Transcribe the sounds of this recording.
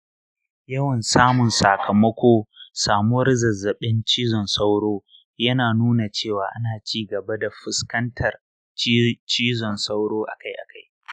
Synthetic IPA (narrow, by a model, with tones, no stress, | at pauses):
jɐ˦wɐ˨nsaː˦mʊ˨nsa˨kʰɐ˨mɐ˦kʷʰoː˦saː˨mu˦wɐ˦rzɐ˨zːɐ˨ɓɪ˦nt͡ʃiː˦zɔ˨nsa˦wɽoː˦ | jɐ˦naː˨nuː˦na˨t͡ʃeː˦˨waː˨ʔa˦naː˨t͡ʃiː˦ɡɐ˨ba˦da˨ɸɪ˦skɐ˦ntʰɐ˨r | t͡ʃiː˦zɔ˨nsa˦wɽoː˦ʔa̰˨ka˦jʔa˨kʰa˦j